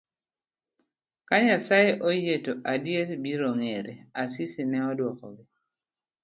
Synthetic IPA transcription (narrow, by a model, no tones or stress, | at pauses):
kaɲasaeʔojetoʔadjetbiɾoŋeɾeasisinɛɔdwɔkɔ̰ɡi